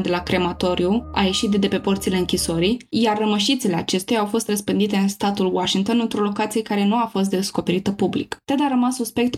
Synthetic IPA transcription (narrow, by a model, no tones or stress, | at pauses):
d̪e̞lakɾe̞mat̪o̞ɾjua̰je̞ʃit̪̚d̪d̪e̞pe̞port̪sile̞ɨŋkʲiso̞ɾijjarːəməʃit̪sile̞a̰t͡ʃe̞st̪ejaawfo̞st̪rəspɨnd̪it̪e̞ɨnst̪at̪ulwaʃiŋɡt̪o̞nɨnt̪ɾolo̞kat̪sijekaɾe̞nuafo̞st̪̚d̪e̞sko̞pe̞ɾit̪əpublḭkt̪ad̪aɾəmasːuspe̞k̚t̪